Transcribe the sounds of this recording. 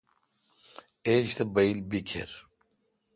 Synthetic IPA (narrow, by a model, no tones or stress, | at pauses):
eɕt̪ɐbɐilbikʰḛɾ